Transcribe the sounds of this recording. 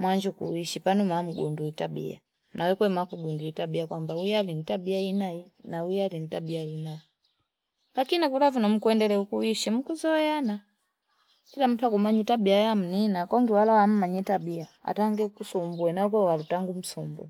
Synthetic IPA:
mwaɲd͡ʒukṵiʃipanumam̩ɡṵnduitabḭa̰ | nʔawɛkwɛmakuɡunduitabiakwambaujalinitabiainainaujalinitabiainai | lakinikulavunɔm̩kuɛndɛlɛukuwiʃim̩kuzɔjana | kilam̩twakumaɲitabiajam̩ninakɔŋɡiwalawam̩maɲɛtabiaa̰taŋɡɛkusumbuɛnakwɛwalutaŋɡum̩sumbṵ

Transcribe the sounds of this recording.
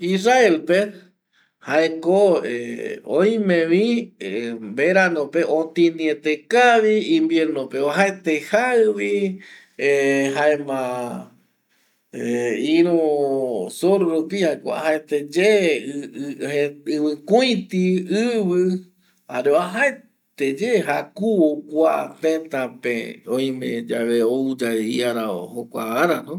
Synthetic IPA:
israelpe | haekoḛõj̃mẽʋĩ | mbeɾanõpeʔõt̪ĩniet̪ekaβiĩmbjeɾnopeoɦaet̪ehaβi | ɦaemã | eĩɾ̃u | soɾɾupihaekʷa̰ɦaet̪ed͡ʒe | eɨβɨ̃kuj̃t̪iɨβɨ | haɾeoaɦae | t̪ed͡ʒeɦakuokʷat̪ẽt̪ãpeõj̃mḛ̃d͡ʒaβeoud͡ʒaḭaɾao̰hokʷa̰aɾanõ

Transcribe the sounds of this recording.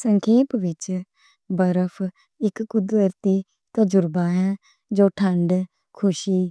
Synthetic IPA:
səŋkʰeːpʋɪt͡ʃ | bəɾəpʰ | ɪkːʊd̪əɾt̪iː | t̪əd͡ʒʊɾbaːɦɛ̃ː | d͡ʒoːʈʰəɳɖ | kʰʊʃiː

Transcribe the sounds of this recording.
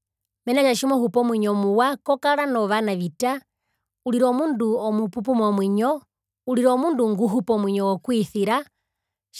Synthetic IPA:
mɛnaʃaʃimɔhupɔmwiɲɔmuwakɔkalanɔʋanaʋita | uliɾɔmunduɔmupup̬umɔmwiɲɔ | uliɾɔmunduŋɡuɦupɔmwiɲɔwɔkwiθiɾa | ʃ

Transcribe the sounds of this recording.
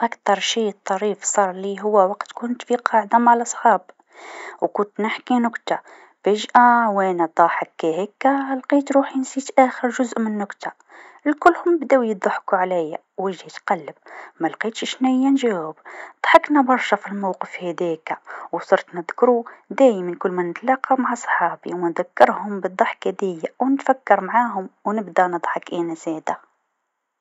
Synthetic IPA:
ʔækt̪ɑɾˤʃiət̪ˤːɑɾifsˤɑɾˤliɦʊwːæwɑqt̪kʊnt̪fiqʰɑʕd̪amaʕlɑsˤħɑb | wkʊnt̪nəħkinʊkt̪a | bəʒʔæwænæt̪ˤɑħəkːæhækːælqit̪ɾuħjənsit̪ʔæxəɾʒʊzʔmənːʊkt̪a | əlkʊlːhʊmbd̪æwjd̪ˤɑħkuʕlæjːæ | wəʒit̪qælːəb̚mælqiːt̪ʃʃnæjːænʒæwəbd̪̥ˤħɑknæbɑɾˤʃæfilmawqəfhæd̪ikwsˤɑɾt̪nəd̪kɾud̪æːjmænkʊlːmænət̪lɑːqɑmaʕasˤħɑːbḭwmænðækːɑɾhʊmbəd̪ˤːɑħkæd̪æjːawnət̪fækːɑɾmaʕaːɦʊmwnəbd̪ænɨd̪ˤħɑkʔinæzæːd̪æ

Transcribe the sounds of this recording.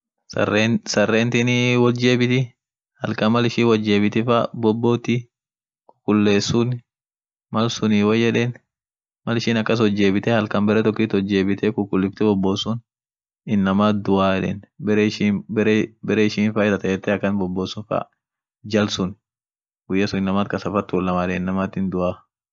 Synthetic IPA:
sɐrːeːnt̪ɪniwɔld͡ʒe̞ːbɪt̪ɪ | hɐlkɐmɐlɪʃiːwɐd͡ʒːeːbɪt̪ɪfɐbɔbːoːt̪ɪ | kʊ̥kːʊlːeːsʊn | mɐlsʊniːwɐjːɛᶑeːn | mɐlɪʃiːnɐkːɐs̬ɔd͡ʒːe̞ːbɪt̪ɛhɐlkɐmbɛɾɛt̪ɔkːɪt̪ɔd͡ʒːe̞ːbɪt̪ɛkʊkːʊlːɪft̪ɛbɔbːoːsʊn | ɪnːɐmaːt̪̚d̪ʊʔaːjɛᶑḛːnbɛɾʃiːbɛɾbɛɾɛɪʃiːnfɐɪd̪ɐt̪ɐjɛt̪ːɛɐkːɐnbɔbːoːsʊnfɐ̰ | d͡ʒɐlsʊn | ɡʊjːɐsʊnɪnːɐmaːt̪̚kɐsɐfɐt̪ːuːlːɐmaːᶑɛnːɐmaːt̪ɪnd̪ʊaː

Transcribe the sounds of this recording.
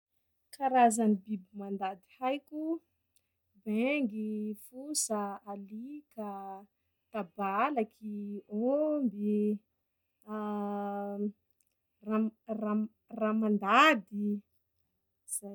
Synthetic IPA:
kaɾazanibibimand̪ad̪ihajkʲu | beŋɡifusaalika | t̪abalakʰiombi | rara | ramand̪ad̪i | z̥a

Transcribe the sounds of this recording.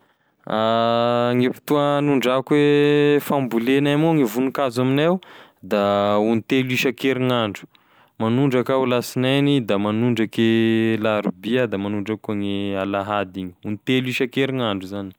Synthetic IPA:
a | ŋepi̥t̪uanuɳɖ͡ʐakwefambulenamoŋivunukazaminewd̪aunit̪eliʃakeɾiŋaɳɖ͡ʐu̥ | manuɳɖ͡ʐakaulasinanid̪amanuɳɖ͡ʐakelaɾubiad̪amanuɳɖ͡ʐakoŋealaɦad̪iɲi̥unit̪eliʃakeɾiŋaɳɖ͡ʐuzani̥

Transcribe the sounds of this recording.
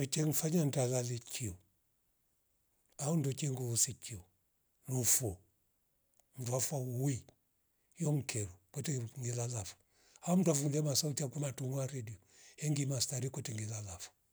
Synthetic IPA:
ɔt͡ʃɛŋ̩faɲantalalɛkʰiɔ | aɔndɔt͡ʃɛŋɡuusit͡ʃiɔ | nufɔ | m̩duafauui | jɔŋ̩kʰɛɾukwɛtɛŋɡilalafu̥ | aɔm̩dwafulɛmasautiakumatuŋuaɾɛdiɔ | hɛŋɡimastaɾikɔtɛŋɡilalafɔ̥

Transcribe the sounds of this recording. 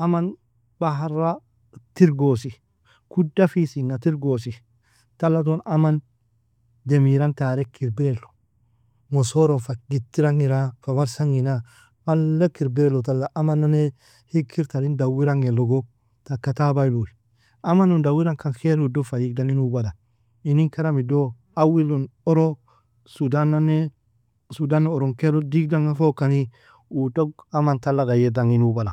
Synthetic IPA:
aman | baɦaɾa | tiɾɡosi | kudafisinːatiɾɡosi | talːat̬onaman | demiɾantaːɾekiɾbiɾelo̥ | mosoɾofaɡ̥itːiɾaŋiɾafawaɾsaŋina | malːekiɾbiɾelːot̬alːaʔamanːane | hikʰːiɾtanindawiɾaŋeloɡo | takːatabajlui | amanondawiɾaŋkankeɾudofajiɡdaninubada | iniŋkaɾamido | awilonoɾo | sudanːane | sudanːeoɾoŋkeɾodikdaŋafokani | utoɡamantalːaɡajedaŋinubala

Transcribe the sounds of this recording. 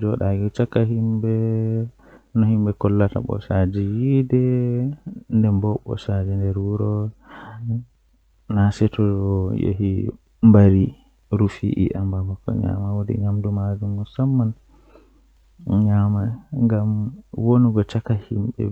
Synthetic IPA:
d͡ʒɔɗaɡɔt͡ʃakːaɦimbɛ | nɔhimɓɛkɔlːata̰ɓɔ̰sad͡ʒɛjidɛ | ndɛmbɔɓɔ̰sad͡ʒɛndɛɾwuɾɔ | nasɛtɔɔjḛɦi | mbaɾi | ɾufiʔḭʔambamakːɔ̰ɲa̰mawodḭɲamdumad͡ʒumːusamːan | ɲamaŋɡamwoniɡɔt͡ʃakːahimɓɛ̰

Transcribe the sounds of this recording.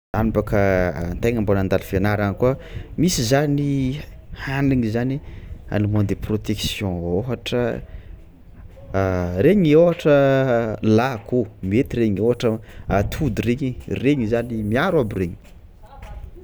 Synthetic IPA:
zanipakənt̪ajŋambonand̪alifeanaɾanikuamisizani | haniŋizania̰numond̪eprot̪eksjɔ̃oɦaʈ͡ʂə | ɾeɲioɦaʈ͡ʂə | lakʰumiet̪iɾeɲeɦaʈ͡ʂəat̪ʰud̪ireɲireɲizanimiaɾwabireɲi̥

